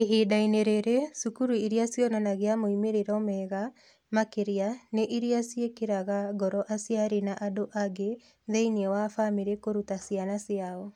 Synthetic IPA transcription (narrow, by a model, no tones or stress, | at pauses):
iɦeːdaineɾeɾesukuɾuiɾiasjɔnanaɣeamoimeɾeɾɔmɛɣa | makeɾianeʔiɾiasjekeɾaɣaɡɔɾɔʔasjaɾenaʔadoʔaɡe | ðeiniɛwafameɾekoɾutasjanasjaɔ